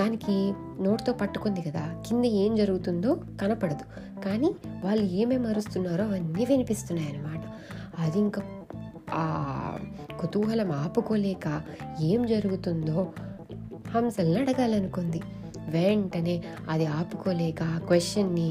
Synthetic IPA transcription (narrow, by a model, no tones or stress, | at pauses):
d̪aːniki | no̞ːʈt̪o̞ːpɐʈːu̥kond̪ikɐd̪aːkind̪ɐe̞ːmd͡ʒɐɾuɡut̪und̪o̞ːkɐnɐpɐɽɐd̪u | kaːniːʋaːɭːue̞ːmeːmɐɾust̪unːaːɾoːɐʋɐnːiːʋinipist̪unːaːjɐnɐmaːʈɐ̥ | ɐd̪iiŋkaː | a̰ː | kot̪uːɦɐlɐmaːpuko̞ːlɛːkae̞ːmd͡ʒɐɾuɡut̪und̪o̞ː | hɐmsɐlnɐɽɐɡaːlɐnukond̪i | ʋeɳʈɐne̞ː | ɐd̪iaːpuko̞ːlɛːkɐkʋesʈjɐnːi